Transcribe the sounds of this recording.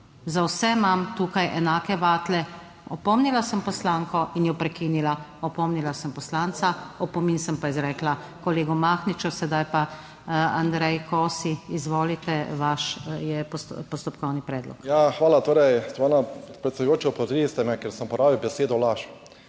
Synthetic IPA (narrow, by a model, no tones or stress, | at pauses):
zawsɛmamt̪uːkajʔɛnaːkɛʋaːt̪lɛ | ɔpɔmnilasəmpɔslaːŋkɔinjɔpɾɛkiːnilaɔpɔmnilasəmpɔslaːnsaɔpɔminsəmpaizɾɛːkla | kɔleːɡɔmaːxnit͡ʃɔsɛd̪ajpa | and̪ɾɛjkʰɔːsiizʋɔːlit̪ɛʋaʃjɛppɔst̪ɔpkɔwnipɾɛːd̪lɔ̰kjaxʋaːlat̪oːɾɛjt̪ʋaːnapɾɛt̪sɛd̪ʊjoːt͡ʃɛɔpɾɔt̪ɾist̪ɛnɛkeɾsəmpɔɾaːʋiwbɛseːd̪ɔlaʃ